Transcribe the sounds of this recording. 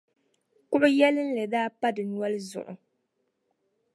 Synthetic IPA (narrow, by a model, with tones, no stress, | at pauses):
kʊ˦ʔʊ˦jɛ˦lɨ˦n̩˦lɨ˨daː˦pa˦dɨ˨nwɔ˦lɨ˦zʊ̰˨ʔʊ̰˨